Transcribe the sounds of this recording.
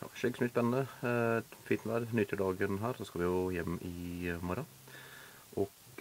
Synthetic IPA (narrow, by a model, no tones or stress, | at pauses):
jɑ̰ːʃɪkəsmɪspɛnənə | fiːt̪nʋæd̪nyːt̪ʰɪlɖ̪ɑːɡənɦæːɾd̪oːskɑʋɪɡojɛmːɪmɔɾɑ | ʔɔɡ̥